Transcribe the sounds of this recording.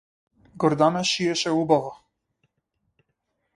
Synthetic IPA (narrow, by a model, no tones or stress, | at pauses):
ɡɔɾd̪anaʃiɛʃɛubava